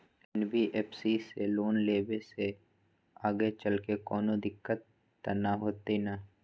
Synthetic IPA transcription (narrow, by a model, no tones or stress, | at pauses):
ɛnbiʔeːpʰsiseloːnleːbese | aːɡet͡ʃəlkekɔːnõd̪ɪkːət̪ː | ɐnaɦoːt̪ina